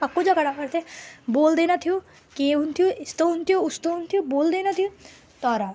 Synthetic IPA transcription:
ɐkːod͡ʒakɐɽapɐɾt̪ʰeboːld̪enat̪ʰiju | kẽɦunt̪ʰioist̪oɦunt̪ʰijoust̪oɦunt̪ʰijoboːld̪enat̪ʰiũ | t̪ɔːɾa

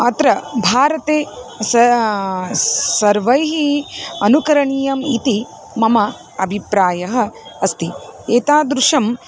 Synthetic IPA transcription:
ɐt̪ɾɐbʱaːɾɐt̪eːsɐ | sɐɾʋɐjɦiɐnukɐɾɐɳijɐmit̪i | mɐmɐ | ɐbʱipɾaːjɐɦɐ̆ɐst̪ieːt̪aːd̪ɾuʂɐm

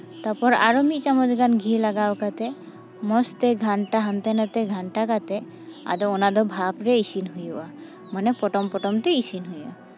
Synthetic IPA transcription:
t̪apɔɾa̰ɾɔmit͡ʃamɔd̪iɡanɡʱilaɡawkat̪e | mɔst̪eɡʱaɳʈaɦant̪ɛnat̪eɡʱaɳʈakat̪ɛ | a̰d̪ɔɔnad̪ɔbʱapɾeisinɦujuʔa | manɛpɔʈɔmpɔʈɔmt̪ɛisinɦuja̰

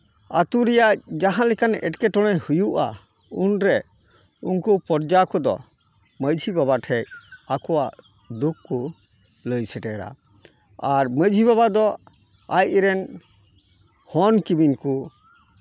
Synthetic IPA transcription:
at̪uɾɛjaʔd͡ʒaɦãlɛkanɛ̰ʈkɛʈɔɽ̃ɛjhujuʔa̰ | unɾɛ | unkupɔɾd͡ʒakɔd̪ɔ̰ | məd͡ʒʱibaβaʈʰɛakɔwaʔ | d̪ukːu | ləjsɛʈɛɾa̰ | aɾməd͡ʒʱibaβad̪ɔ | ajɾɛn | hɔnkibinku

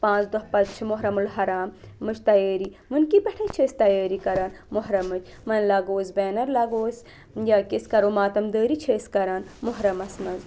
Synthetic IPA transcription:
pãːt͡sd̪oɦpɐt̪t͡ʃʰimoɦɾɐmulɦɐɾaːmːɨt͡ʃʰt̪ɐjeːɾi | mɨnkipɐʈʰɐt͡ʃʰeːst̪ɐjaːɾikɐɾaːnmoɦɾɐmɨt͡ʃʰ | mɐnlɐɡoːsbeːnɐɾlɐɡoːsʲ | jaːkiskɐɾomaːt̪ɐmd̪əːɾit͡ʃʰeːskɐɾaːnmoɦɾɐmɐsmɐz

